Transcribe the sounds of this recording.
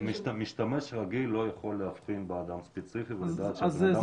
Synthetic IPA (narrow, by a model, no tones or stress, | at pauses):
miʃt̪ameʃʁaɡilːo̞jaχo̞lːehafpinbead̪amspet͡sifiveld̪aːt̪ʃa